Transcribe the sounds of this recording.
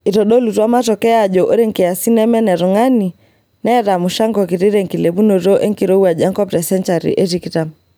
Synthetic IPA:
i˨tɔ˨ɗɔ˦lu˨twa˦ma˦tɔ˨kɛ˦aʄɔʔɔ˦ɾɛ˦ŋkɛ˨a˨si˦nɛ˦mɛ˦nɛ˨ɾɔ˨ŋa˦ni˨ | nɛɾa˨mu˨ʃa˦ŋɡɔ˨ki˨ɾi˦ɾɛ˨ŋki˨lɛ˨βu˦nɔ˨ɾɔ˦ʔɛ˦ŋki˨ɾɔ˦u˦a˨ʄa˦ŋkɔ˦pɾɛ˨sɛ˦nt͡ʃa˨ɾḭʔɛ˦ɾi˨kita˨m

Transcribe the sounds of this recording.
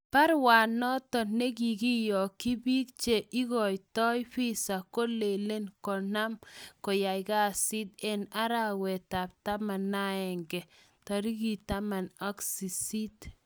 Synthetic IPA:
pa˦ɾwa˨nɔ˦tɔ˨ne˦ɡi˨ɡi˦jɔ˨ki˦bi˦kt͡ʃe˨ʔi˦ɡɔ˨jtɔ˦jɸi˦sa˨ko˦le˨le˦nkɔ˨na˦mkɔ˨ja˨jɡa˦si˦de˦na˦ɾa˦wɛ˨ta˨p̚ta˦ma˨nːa˦ɛ˨ŋɡɛ˨ | ta˨ɾi˦ɡi˨ta˦ma˨nɔ˦ksi˨si˦t

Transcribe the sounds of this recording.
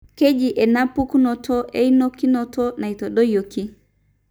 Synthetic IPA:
ke˦d͡ʒi˨ʔe˨na˦pːu˦kno˨tʰo˦ʔe˦i˦no˦kːi˦no˦to˦na˨i˨to˨ɗo˦jo˨kːi˦

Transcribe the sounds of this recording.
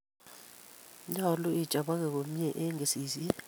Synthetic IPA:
ɲa˦˨lɔ˦i˦˨d̥ʒ̥ʼʱa˨ɓa˦k̬ɛ˨k̬o˨m˦jɛ˦ʔɛ˦ŋe˨siː˨zi˦ɛ˦

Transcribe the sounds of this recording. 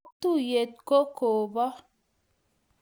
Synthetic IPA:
t̪u˦˨je˨t̪̚ko˦koː˨bɔ˦

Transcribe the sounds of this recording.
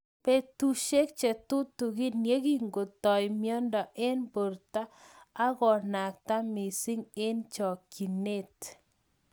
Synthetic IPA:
pe˦t̪u˦ʃe˦k̚t͡ʃɛ˨t̪ʊ˦t̪u˨ɣɪ˦nje˦ɣi˦ŋɡo˨t̪ɔ˨jmjɔ˦ndɔ˨ʔe˦nbo˨ɾt̪aː˦ɣɔ˨na˨k̚ta˦mɪ˨si˦ŋe˦nt͡ʃɔ˨ki˨ne˦˨t

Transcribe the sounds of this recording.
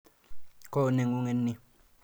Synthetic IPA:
ko˦˨ne˨ŋu˦ŋe˨nːi˦

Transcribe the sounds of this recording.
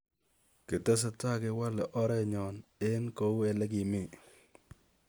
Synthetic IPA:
ke˨tɛ˦s̬a˦ta˦˨ke˦wa˦lɛ˨ʔɔ˦ɾɛ˦ɲɔ˨ne˦nko˦u˦ɛ˨lɛ˦k̬i˨mi˦˨

